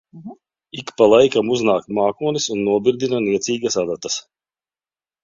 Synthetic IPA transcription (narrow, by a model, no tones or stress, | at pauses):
ikpalˠajkamuznaːkmaːkuɔnisunːuɔbiɾd̪inaniɛt̪siːɡasad̪at̪ɐs